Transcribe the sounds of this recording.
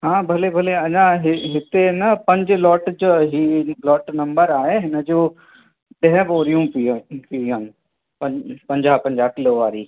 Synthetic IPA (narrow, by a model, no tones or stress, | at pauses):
ɦãːbʱɐlebʱɐleɐd͡ʒãɦɪɦɪt̪enɐpɐ̃ɲd͡ʒlɔːʈd͡ʒɦilɔːʈnɐ̃mbəɾaːeɦɪnəd͡ʒoː | ɖẽɦʋoːɾijũpipiãn | pɐpɐ̃ɲd͡ʒaːpɐ̃ɲd͡ʒaːkɪloːʋaːɾiː